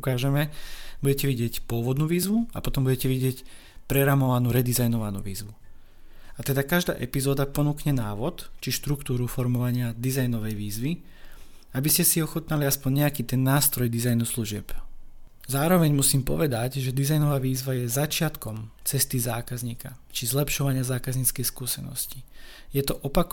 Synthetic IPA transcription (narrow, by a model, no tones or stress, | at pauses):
ukaːʒɛmɛbuɟɛcɛʋiɟɪɛcpʊɔʋɔd̪nuːʋiːzʋuapɔt̪ɔmbuɟɛcɛʋiɟɪɛc | pɾɛɾamɔʋanuːɾɛd̪izajnɔʋanṵːʋḭːzʋu | at̪ɛd̪akaʒd̪a̰ːʔɛpizɔːd̪apɔnuːkɲɛnaːʋɔt̪t͡ʃiʃt̪ɾukt̪uːɾufɔɾmɔʋaɲɪad̪izajnɔʋɛjʋiːzʋi | abiscɛsiɔxɔt̪naliaspɔɲɲɛakiːt̪ɛnːaːst̪ɾɔjd̪izajnusluʒɪɛ̰p | zaːɾɔʋɛɲmusiːmpɔ̰ʋɛd̪aɟʒɛd̪izajnɔʋaːʋiːzʋajɛzat͡ʃɪat̪kɔmt͡sɛst̪izaːkazɲiːka̰t͡ʃizlɛpʃɔʋaɲɪazaːkazɲiːt͡skɛjskuːsɛ̰nɔ̰scijɛt̪ɔʔɔpak